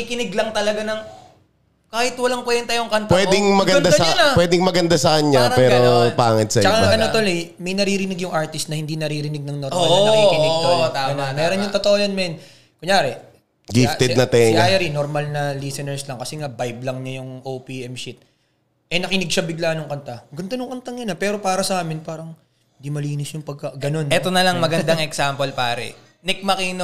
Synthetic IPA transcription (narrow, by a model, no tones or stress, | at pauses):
ikɪnɪɡlɐŋt̪ɐlɐɡanɐŋ | kaːhɪt̪wɐlaŋpwɛːd̪ɪnt̪aːjoŋkant̪pwɛːd̪ɪŋmɐɡɐnasɐanawɛːd̪ɪŋmɐɡɐnd̪asɐkɐɲːapɛːɾopaːŋɪt̪sɐt͡ʃɐkaʔɐnot̪olɪ | mɐjnɐɾiːɾɪnɪɡjʊŋʔaɹt̪ɪst̪nɐhɪnd̪inɐɾiːɾɪnɪɡ̚nɐŋnoɾikɪnɪɡ̪oaɡɐnomɛːɾonjʊŋt̪ot̪oʔojɐnmɛn | kʊŋɲjaːɾɛ | ɡɪft̪ɛd̪nɐt̪ɛɲaːjɐɾinoɾmɐlnɐlisɛnɛɹslɐŋkɐsɛŋabajblɐŋɲajʊŋʔowpiʔɛmʃit̪̚ | ʔɛnɐkɪnɪɡ̚ʃɐbɪɡlaːnʊŋkɐnt̪aɡʊnt̪onʊŋkɐnt̪ɐŋɐnapɛːɾo̞paːɾɐsɐʔaːmɪnpaːɾɐŋ | hɪnd̪imɐliːnɪsjʊŋpɐɡ̚kɐɡɐno̞nʔɛt̪onɐlɐŋmɐɡɐnnd̪ɐŋɛksaːmpolpaːɾɛ̰ | nɛk̚mɐkiːno